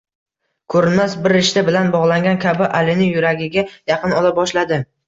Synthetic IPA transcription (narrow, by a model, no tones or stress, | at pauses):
kʰɵɾɪnmasbɪɾɪʃt̪abɪlanbɒʁlˠaŋɡʲankʲʰabɪʔalɪnɪjʊɾaɡʲɪɡʲajɑqʰɨnɒlabɒʃlad̪ɪ